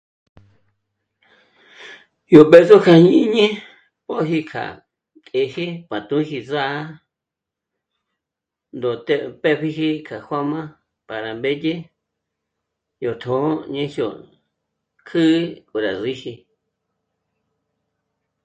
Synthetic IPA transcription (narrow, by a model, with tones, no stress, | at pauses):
jo˨ɓe˧so˦kʰa˧ɲĩ˧˦ɲẽ˦ | po˦ɦi˧kʰa̰˨ | t̪ʼe˨hi˦pã˨t̪ũ˧˦hi˧za˦ | nd̪o˨t̪e˧pe˦ɸi˧ɦi˧kʰa˨hʷwa˦mã˦ | pa˨ɾa˨mbe˦je˦ | jo˨t̪ʰõ˨˦ɲẽ˧hjo̰˨ | kʰɨ˦kʼo˨ɾa̰˨zi˦hi˧